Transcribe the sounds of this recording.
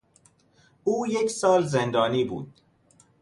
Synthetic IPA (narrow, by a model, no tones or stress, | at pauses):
uːjeksɒːlzend̪ɒːniːbṵːd̪̥̚